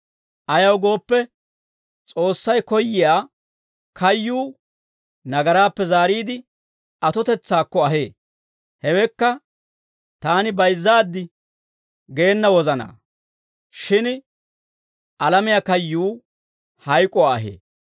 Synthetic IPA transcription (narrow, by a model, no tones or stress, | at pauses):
ʔɐjɐwɡo̞ːpːɛ | t͡sʼo̞ːsːɐjkɔjːɪjaː | kʰɐjːuː | nɐɡɐɾaːpːɛzaːɾiːd̪ɪ | ɐt̪ɔt̪ɛt͡sːaːkːɔɐɦḛː | hɛwɛkːɐ | t̪aːnɪbɐjzːaːd̪ːɪ | ɡe̞ːnːɐwɔzɐna̰ː | ʃɪn | ʔɐlɐmɪjakɐjːuː | hɐjkʼɔaːɐɦḛː